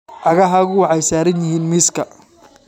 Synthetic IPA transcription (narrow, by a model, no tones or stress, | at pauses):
ʔɐɣɐɦaːɣʊwɑʕɑjsaːɾɐnjɪɦiːnmiːskʰɐ